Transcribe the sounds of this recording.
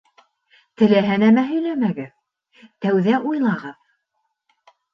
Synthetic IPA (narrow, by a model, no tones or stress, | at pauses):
t̪ɘ̆læɦænæmæɦɵ̆jlæmæɡɘð | t̪æwðæʔujlˠɑʁɤð